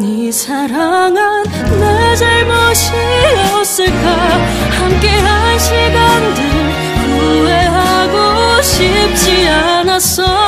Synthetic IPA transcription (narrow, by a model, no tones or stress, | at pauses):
ni | sʰaɾaŋanː | ad͡ʑaɭmoɕʰiɾʌs͈ɯɭka | hamk͈eɦanɕʰiɡandɯn | uweɦaɡoɕʰip̚t͡ɕ͈ia | nas͈ʌ